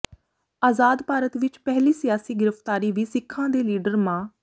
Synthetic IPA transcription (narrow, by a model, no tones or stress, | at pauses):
aːzaːd̪paːɾət̪ʋɪt͡ʃpɛɦliːsɪjaːsiːɡɪɾəpʰt̪aːɾiːʋiːsɪkʰːãːd̪eːliːɖəɾmãː